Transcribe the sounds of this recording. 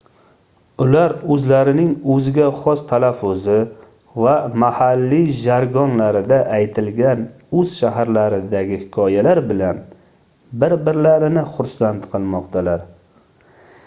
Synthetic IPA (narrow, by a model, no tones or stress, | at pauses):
ʊlaɾɵzlaɾɪnɪŋɵzɪɡʲaχɒst̪ʰalafːʊzɪ | vamahalːiʒaɾɡɒnlaɾɪd̪aʔajt̪ʰɪlɡʲan | ɵz̥ʃaɦaɾlaɾɪd̪aɡʲɪhɪkʰɒjalaɾbɪlan | bɪɾbɪɾlaɾɪnɪχʊɾsant̪qʰɨlˠmɒqt̪ʰalaɾ